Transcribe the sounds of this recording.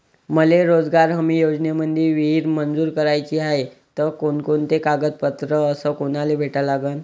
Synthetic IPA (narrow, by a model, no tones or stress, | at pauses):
məleɾod͡zɡaɾɦəmiːjod͡znemədd̪ʱeʋiɦiɾmənd͡zuːɾkəɾajt͡ɕiːaɦe | t̪əkonkont̪ekaɡət̪̚pət̪ɾəəsəːkonalebʱeʈəlaɡəːn